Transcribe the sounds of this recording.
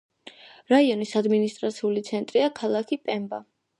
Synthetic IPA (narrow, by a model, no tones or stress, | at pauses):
ɾaiɔnisad̪minist̪ʼɾa̰t̪sʰiulit̪sʰɛnt̪ʼɾiakʰalˠakʰipʼɛmba̰